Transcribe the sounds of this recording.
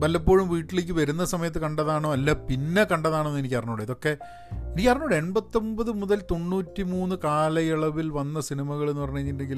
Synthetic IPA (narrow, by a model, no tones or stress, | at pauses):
bɐlːɐpːo̞ːɻumʋiːʈːileːk̬ʲːɨʋɐɾunːɐsɐmɐjɐt̪ːɨkɐɳɖɐðaːɳoːɐlːɐpinːe̞kɐɳɖɐðaːɳonːenikʲːkɐrɐɲoːɽeiðo̞kːe̞ | enikʲːkɐrɐɲːouːɽeeɳbɐt̪ːombɐðɨmuðɐlt̪o̞ɳːuːtːimuːnːɨkaːlɐjiɭɐʋilʋɐnːɐsinimɐɣɐɭe̞nːɨpɐrɐɲːueɲːine̞ŋɡil